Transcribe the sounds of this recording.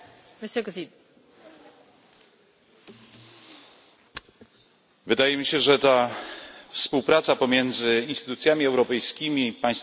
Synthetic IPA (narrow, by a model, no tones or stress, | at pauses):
ɾɛsɛkzi | vɘd̪ajɛmʲiɕɛʐɛt̪a | fspuwpɾat̪sapɔmʲjɛnd̪zɘinst̪ɘ̥t̪ut̪sʲjamʲiɛwɾɔpɛjskʲimʲipaj̃st̪